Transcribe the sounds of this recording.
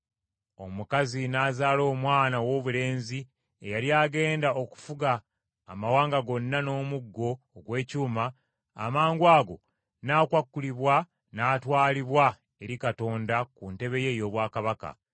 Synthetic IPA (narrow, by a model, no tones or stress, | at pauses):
o̞̰mukazinaːzaːlo̞ːmwaːnawo̞ːβule̞ːnzi | ejaljaːɡe̞ːndao̞ku̥fuɡaː | mawaːŋɡaɡo̞nːano̞ːmuɡːo̞ːɡwe̞ːcuːma̰ː | maːŋɡwaːɡo̞ | naːkwakːuliβwa | naːtwaːliβwa | e̞ɾikato̞ːndakunte̞βe̞je̞jo̞ːβwaːkaβaka̰